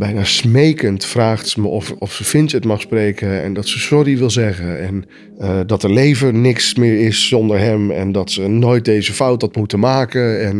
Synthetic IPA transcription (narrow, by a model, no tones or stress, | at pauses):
bɛjnaːsmejkəntfraːχtsəməʔɔfɔfsəfɪntətmɑχsprejkəɛ̰ndɑtsəsɔriʋɪlˠzɛχənɛn | ədɑtəɹlejvənɪksmɪːɹɪsːɔndəɹɦɛmɛ̰ndɑtsənoːjt̚dejzəfʌwt̚dɑtmutəmaːkəɛn